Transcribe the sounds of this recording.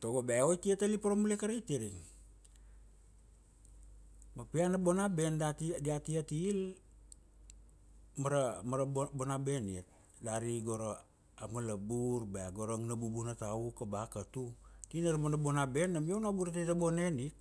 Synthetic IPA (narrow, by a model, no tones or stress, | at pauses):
toɡobaojtiatalipaɾomulekaɾejtiɾiŋ | mapianabo̞nabe̞ndatidiatiatiːl | maɾamaɾabonabe̞niet̚ | daɾiɡo̞ɾa | amalabuɾbaaɡoɾoŋnabubunataukabakatutinaɾmanabo̞nabe̞nːamionabuɾatitabo̞ne̞nit̚